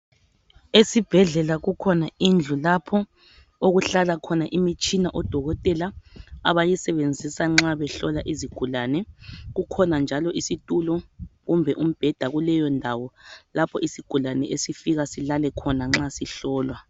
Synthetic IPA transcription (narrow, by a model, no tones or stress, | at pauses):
esib̥ʱɛɮɛlaɣukʰɔnaind͡ɮʱulapʰɔ | oɣuɬalakʰɔnaʔimit͡ʃʼinaʔɔd̥ʱɔɣɔtʼɛlaa̰βajisɛβend͡zʱisaŋ͡ǁaβɛɬɔlaʔiziɡ̥ʱulanɛɣukʰɔnand͡ʒʱalɔʔisitʼulɔɣumbʱɛʔum̩b̥ʱɛd̥ʱaɣulɛjɔndʱawɔlapʰɔʔisiɡ̥ʱulanɛʔesifiɣasilalɛkʰɔnaŋ͡ǁasiɬɔːlwa